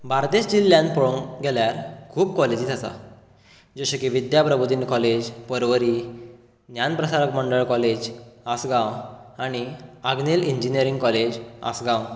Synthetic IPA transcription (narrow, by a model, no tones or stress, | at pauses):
bʱaɾt̪esd͡ʑilːjãnpoɭoŋɡɛljaɾkʰuːpkɔled͡ʑiːt̪asa̰ | d͡ʑoɕəkiʋid̪japɾəbʱud̪inkɔled͡ʑpəɾʋəɾi | njanpɾəsaɾəkməɳɖəɭkɔled͡ʑasɡãwaɽ̃iaɡniliɲd͡ʑiniəɾiŋɡkɔled͡ʑa̰sɡãw